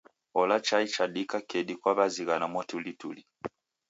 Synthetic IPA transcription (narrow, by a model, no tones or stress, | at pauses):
ɔlat͡ʃait͡ʃaɗikakɛɗikwaβaziɣanamwɔtulituli